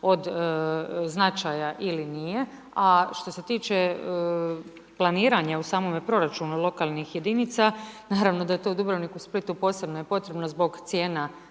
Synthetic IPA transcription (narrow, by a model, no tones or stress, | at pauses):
o̞d̪ | znat͡ʃaːjaʔilinije̞ | aʃt̪o̞se̞t̪iːt͡ʃe̞ | plˠaniːɾaɲausaːmo̞mepɾo̞ɾat͡ʃunulˠo̞kalnixje̞d̪init̪sanaːɾaʋno̞d̪ajet̪o̞ud̪ubɾoʋnikusplit̪upo̞se̞bno̞jepo̞t̪ɾe̞bno̞zbo̞ɡt̪sje̞ːna